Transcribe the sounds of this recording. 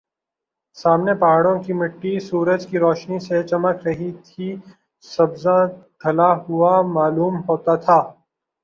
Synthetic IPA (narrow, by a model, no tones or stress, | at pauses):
saːmnepɐɦaːɽõkimɪʈːisuːɾəd͡ʒkiɾɔːʃniset͡ʃɐməkʰɾɐɦit̪ʰi | sɐbzadʱɐlaɦʊamaːluːmɦoːt̪at̪ʰaː